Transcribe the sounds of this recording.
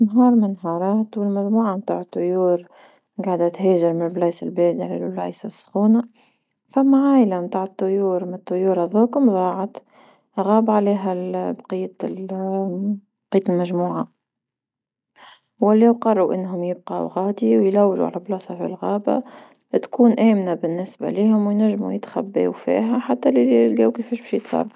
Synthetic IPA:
nɦɑːɾˤmɪnɦɑːɾˤɑːt̪wɪlmæʒmuːʕamt̪aːʕɪt̪ˤːʊjuːɾ | ɡaʕd̪at̪ɦɛːʒɪɾmɪlblɑjsɪlbeːd̪iʕalḛlblɑ̰jsasˤːxuːna | famːaʕaːjlamt̪aːʕət̪ˤːʊjuːɾmt̪ˤːʊjuːɾaðˤoːkʊmðˤɑːʕɑt̪ | ɣaːbaʕleːɦæbqijːa | bqijːt̪lmæʒmuːʕa | wælːiwqɑrˤuʔɪnːɦʊmjɪb̚qɑ̰wɣɑːd̪iwjlæwːʒṵʕa̰læblɑːsˤɑfḭlɣɑːba̰ | t̪kuːnʔæːmnabɪnːɪsba̰liːhʊmwjnæʒːmṵjɪt̪xæ̰bːḛːwfḭːɦæħat̪ːælililɡæːwkɪfɛːʃbɛʃjɪt̪sˤɑ̰ɾˤ

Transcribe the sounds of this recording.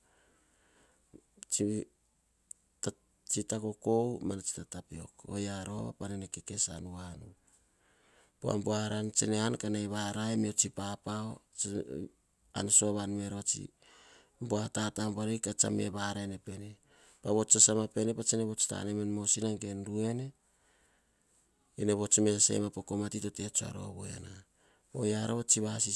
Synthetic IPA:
t͡ʃi | t | t͡ʃitako̞ko̞wmanat͡ʃi̥tatapio̞̰ko̰jaɾo̞a̰panenekeke̞sa̰nuanu | poa̰mboahaɾant͡ʃenehankanajβaɾaemiot͡ʃipapao | a̰nsoaβanme̞ɾot͡ʃḭ | mboatatambaɾejkat͡ʃa̰me̞̰βaɾaene̞pene | paβo̞t͡ʃasamape̞nepat͡ʃeneβo̞t͡ʃi̥ta̰nemenmosinaŋɡe̞nɾue̞ne̞ | eneβo̞t͡ʃme̞sḛjmapoko̞matito̞te̞t͡ʃoa̰ɾo̰aβoe̞̰na | ojaɾoβot͡ʃiβasi

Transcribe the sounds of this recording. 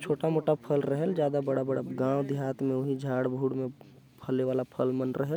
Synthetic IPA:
t͡ʃʰoːʈamoːʈapʰəlɾəɦɛld͡ʒjaːd̪abəɽabəɽaɡãːwd̪iɦaːt̪mẽʊɦid͡ʒʱaːɽbʱuːɽmẽ | pʰəleʋaːlapʰəlmənɾəɦɛl

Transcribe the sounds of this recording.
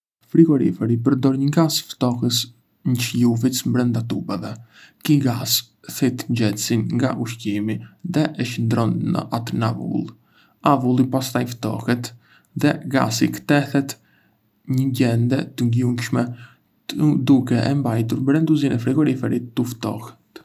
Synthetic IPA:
fɾiɡɔɾḭfɛɾipəɾd̪ɔɾɲəɡasft̪ɔkəs | ɲət͡ʃjuvismbɾɛnd̪at̪ubɛvɛkiɡas | θɛt̪ɲd͡ʒɛt̪sinŋɡaʔuʃcimiðɛʔɛʃənd̪ɾɔnːə̰ʔat̪navṵlˠ | avulˠipast̪ajft̪ɔ̰hɛt̪ | ðɛɡa̰sikə̥t̪ɛθɛt̪ | ɲəɟɛnd̪ɛt̪əŋɡjuŋkʃmɛ | d̪ukɛʔɛmbajt̪uɾmbɾɛnd̪uzinɛfɾiɡɔɾifɛɾit̪ːuft̪ɔ̰hɛ̥t̪

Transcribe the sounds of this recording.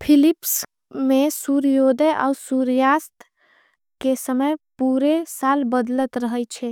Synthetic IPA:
pʰilips | mesuɾjod̪əʔa̰usuɾjast̪ | kesəməjpuɾesalbəd̪lət̪ɾəɦəjt͡ʃʰɛ

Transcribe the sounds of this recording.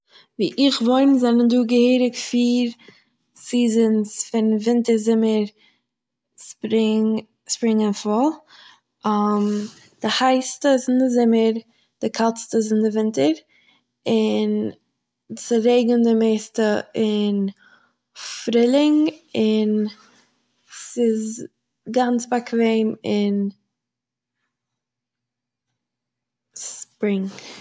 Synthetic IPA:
vḭːʔɪχvoɪnzɛnənduːɡəheːɾɪkfiːɾ | siːzənsfɪnvɪntəɾzɪməɾ | spɾɪŋ | spɾɪŋənfɔlˠ | am | d̥ɪhaɪstəzɪnɪzɪməɾ | d̥ɪkʰat͡stəzɪndɪvɪntəɾ | ɪn | sɪɾeɪɡəndɪmeɪstəɪn | fɾɪlˠɪŋɪn | sɪz | ɡant͡sbakʰveɪmɪn | spɾɪŋ

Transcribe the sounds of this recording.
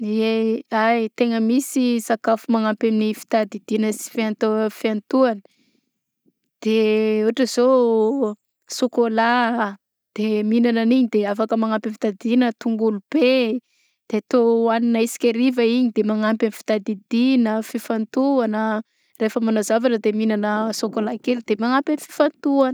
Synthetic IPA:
eajt̪eŋəmisisakafumaŋampaminifi̥t̪ad̪id̪inəsi̥fiant̪fiant̪uanə | d̪̥euaʈ͡ʂəzo | sokola | d̪̥eminananiɲid̪eafakəmaŋampifi̥t̪ad̪inət̪uŋɡulub̥e | d̪̥eat̪oaninaisi̥kʲeɾivəiɲid̪emaŋampamifi̥t̪ad̪id̪inəfifant̪uanə | refəmanazavaʈ͡ʂəd̪eminanəsokolakelid̪̥emaŋampʲanifi̥fant̪uanə

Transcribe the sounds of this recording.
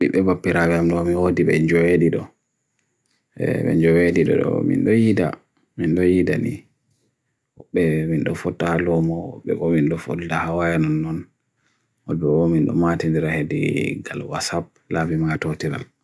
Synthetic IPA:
ɗiɓɛbapːiɾawɛamɗɔmiwodiɓɛɲd͡ʒɔwediɗɔ | ɛɓɛ̰ɲd͡ʒɔwediɗɔ̰ɗɔ̰mḭnɗɔjida̰ | minɗɔjida̰nḭ | wɔɓːɛminɗɔfɔtːahalɔmɔwɔ̰ɓːɛ̰kɔminɗɔfɔ̰ddahawajanɔnːɔn | wɔlbɛɓɔminɗɔ̰matindiɾahedḭɡalwa̰sab̚ | labimatotiɾa̰l

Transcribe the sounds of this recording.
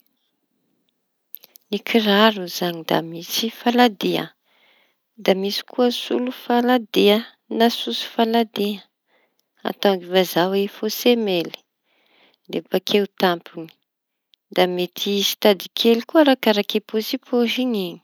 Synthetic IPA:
nikʰiraɾuzaɲid̪a̰misifalad̪eə̰ | d̪amisi̥kʰuəsulufalad̪eə | nasusu̥falad̪eə | a̰t̪aɡivazawefosemeli̥ | d̪epakʰewt̪ampuni̥ | d̪amet̪ʰisi̥t̪ad̪ikʰelikuəɾakaɾakeposipʰoʒiɲiɲi̥

